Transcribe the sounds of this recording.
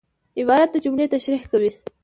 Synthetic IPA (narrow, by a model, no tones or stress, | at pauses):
ɪbɑɾat̪̚d̪əd͡ʒumlet̪aʃɾihkawi